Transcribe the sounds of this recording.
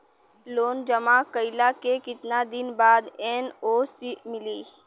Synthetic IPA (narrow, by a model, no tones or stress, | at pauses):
loːnd͡ʒɐmaːkəɪlakekɪt̪nad̪ɪnbaːd̪ɛnoːsimɪliː